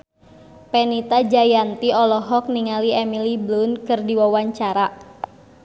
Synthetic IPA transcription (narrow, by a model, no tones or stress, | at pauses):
pɛnit̪ad͡ʒajant̪iɔlɔɦɔk̚niŋaliɛmiliblunkɨrdiwawaɲt͡ʃaɾa